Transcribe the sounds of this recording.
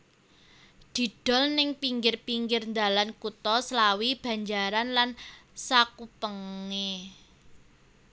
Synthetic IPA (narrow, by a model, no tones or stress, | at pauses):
d̪̥i̤d̪̥ɔ̤lnɪŋpiŋɡɪrpiŋɡɪrnd̪alankut̪ɔslawib̥ä̤ɲd͡ʒaɾanlansakupəŋːe